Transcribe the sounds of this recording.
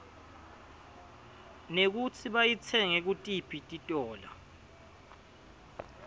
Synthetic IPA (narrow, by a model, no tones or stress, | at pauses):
nek̬ut͡sʰiɓajit͡sʰɛŋek̬utʼipʰitʼitʼɔːla̰